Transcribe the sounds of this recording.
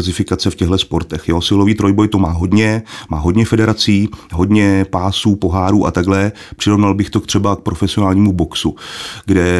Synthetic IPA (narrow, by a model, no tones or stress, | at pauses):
zɪfɪkat͡sɛfcɛɣɦlɛspo̞ɾt̪ɛxjosɪloviːt̪ɾo̞jbo̞jt̪omaːɦo̞dɲɛmaːɦo̞dɲɛfɛdɛɾat͡siːɦo̞dɲɛpaːsuːpo̞ɦaːɾuːʔa̰t̪aɡlɛ | pr̝̥ɪɾovnalbɪxt̪o̞kt̪r̥ɛbak̚pɾo̞fɛsɪonaːlɲiːmubo̞ksuɡdɛ